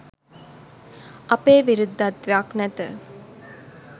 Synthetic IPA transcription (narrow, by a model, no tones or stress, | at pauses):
ʔɐpeːʋiɾud̪ːat̪ʋaknɛt̪ə